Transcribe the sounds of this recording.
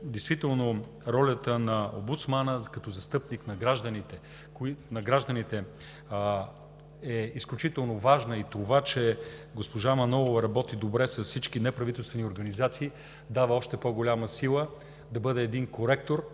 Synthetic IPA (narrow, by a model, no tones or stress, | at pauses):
d̪ɛjst̪vit̪ɛlˠno | ɾɔlʲət̪ənɐo̰mbut̪smanəkɐt̪ɔzɐst̪ɤpniknɐɡɾaʒd̪ɐnit̪ɛ | kinɐɡɾaʒd̪ənit̪ɛ | ɛisklʲut͡ʃit̪ɛlˠnovaʒnəit̪ovat͡ʃɛɡospoʒamɐnɔlˠovɐɾɐbɔt̪id̪obɾɛsɐssit͡ʃkinɛpɾɐvit̪ɛlˠst̪vɛnioɾɡɐnizat̪siː | d̪avəɔʃt̪ɛpoɡolʲaməsilˠə | d̪ɐbɤd̪ɛːd̪inkoɾɛk̚t̪oɾ